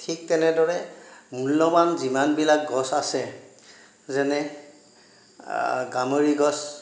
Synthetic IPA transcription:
tʰik̚tɛnɛdɔɹɛmulːɔmanzimanbilak̚ɡɔsasɛ | zɛnɛ | ɡamoɹiɡɔs

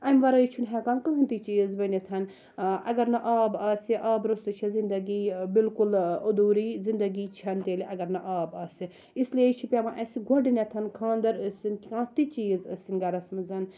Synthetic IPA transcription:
ɐmʲʋɐɾɐit͡ʃʰunɦɛkaːnkɨɦɨnt̪it͡ʃiːzbɐnet̪ʰɐn | ʔɐ̰ɡɐɾnɐʔaːbaːsiʔaːbɾust̪ut͡ʃʰizind̪ɐɡiːbilkulɐd̪uːɾiːzind̪ɐɡit͡ʃʰɐnt̪eːliʔɐɡɐɾnɐʔaːbaːsi | islijet͡ʃʰipʲɐmãʔɐsiɡʱɐɖinʲet̪ʰɐnkʰãːnd̪ɐɾɐsinkkãːt̪it͡ʃiːzəsinɡɐɾɐsmɨzɐn

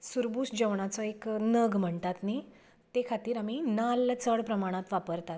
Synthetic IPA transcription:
suɾbuːsd͡ʑəʋɳ̃at͡sɔeknəɡm̤əɳt̪at̪ni | t̪ekʰat̪iːɾaminalːt͡səɽpɾəmaɽ̃ãt̪ʋapəɾt̪at̪

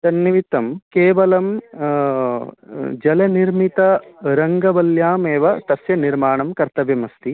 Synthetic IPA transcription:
d̪ɐnːiʋit̪ɐmkeːʋɐlɐm | d͡ʒɐlɐniɾmit̪ɐɾɐŋɡɐbɐljaːmeːʋɐt̪ɐsjɐniɾmaːɳɐmkɐɾt̪ɐʋjɐmɐst̪i

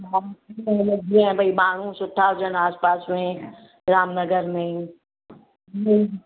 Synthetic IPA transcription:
aːtẽlɐɡʱɛ̃bʱɐibaːɽ̤ũsʊʈʰːaʊd͡ʒənaːspaːsmẽ | ɾaːmnəɡəɾmẽĩ | i

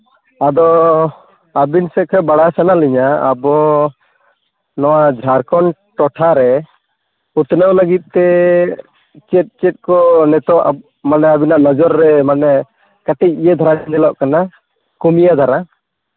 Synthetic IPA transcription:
ad̪ɔ | abinsɛkʰɛbaɽasanaliɲa̰ːbɔ | nɔwad͡ʒʱaɾkɔnʈɔʈʰaɾɛ | ut̪nəwləɡit̪̚ˀt̪ɛ | t͡ʃɛt̪̚ˀt͡ʃɛt̪̚kɔnɛt̪ɔʔa | manɛabinaʔnɔd͡ʒɔɾːɛmanɛ | kaʈɛc̚ijɛd̪ʱɔɾanɛlɔʔkana | kumijad̪ʱaɾa

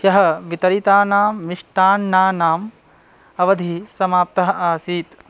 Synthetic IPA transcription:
jɐɦɐʋit̪ɐɾit̪aːnaːmːiʂʈaːnːaːnaːm | ɐʋɐd̪ʱisɐmaːp̚t̪ɐɦɐ̆ʔaːsiːt̪

